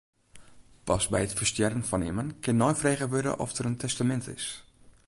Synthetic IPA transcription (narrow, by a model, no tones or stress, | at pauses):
pɑsbɛjətfərstjɛrənfɔnɪ̰mənkɪnːɔjfreːɣəʋødə̰ʔɔ̰fdərəntʰɛstamɛntɪ̰s